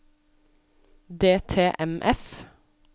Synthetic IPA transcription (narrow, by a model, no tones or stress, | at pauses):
d̪eːt̪ʰeːʔɛmʔɛf